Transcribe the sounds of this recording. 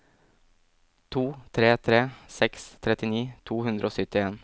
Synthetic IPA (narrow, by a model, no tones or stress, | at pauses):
t̪ʰuːt̪ʰɾeːt̪ʰɾeːsɛkst̪ʰɾɛt̪ɪniːt̪ʰuːhʉnd̪ɾʔoːsʏt̪ɪeːn